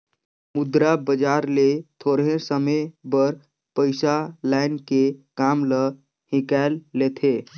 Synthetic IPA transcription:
mʊd̪ɾabəd͡ʒaɾlet̪ʰoɾɦẽsəməjbəɾ | pəɪsalaɪnkekamlə | hĩkɛlːet̪ʰe

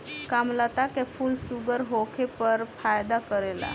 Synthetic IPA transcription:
kamlat̪akefʰuːlsuɡəɾɦokʰepəɾfajd̪akəɾela̰

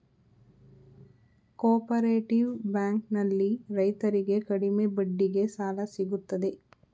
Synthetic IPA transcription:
kɔːpɐɾeːʈiʋbaːŋknɐlːiɾɐjt̪ɐɾiɡe̞kɐɽimebɐɖːiɡe̞saːlɐsiɡut̪ːɐd̪e̞

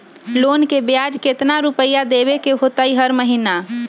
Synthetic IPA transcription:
loːnkebjad͡ʒket̪naɾupəjad̪ebekeɦot̪aiɦəɾməɦina

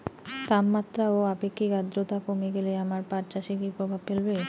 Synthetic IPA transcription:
t̪abmat̪ɾaoapekʰːikad̪ɾot̪akomeɡeleamaɾpaɾt͡ɕaʃikipɾobʱabpelbe

